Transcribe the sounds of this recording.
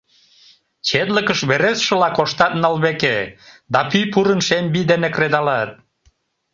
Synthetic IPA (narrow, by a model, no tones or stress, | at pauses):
t͡ɕet̪ləkəʃβeɾesʃə̆lɑkoʃt̪ɑt̪nɑlβeked̪ɑpyjpuɾənʃembid̪enekred̪ɑlɑt̪̚